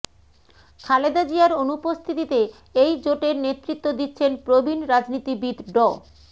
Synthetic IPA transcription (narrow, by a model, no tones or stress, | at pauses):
kʰaled̪ad͡ʑiaɾonupost̪ʰit̪it̪e | ejd͡ʑoʈeɾnet̪ːɾit̪ːod̪it̪ːɕʰenpɾobʱinɾad͡ʑnit̪ibid̪ɖɔ